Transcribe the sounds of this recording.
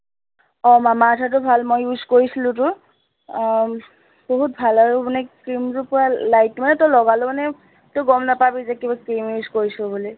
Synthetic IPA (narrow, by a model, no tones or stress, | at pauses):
ɔmamaːtʰat̬ʊbʱalmojuzkoɹisilʊ̃tʊ | boɦut̚bʱalaɹʊmanɛskɹimtʊpʊɹalajtːmanɛtɔlɔɡalʊmanɛ | tʊɡɔmnapabizɛkibaskimuzkoɹisʊbuli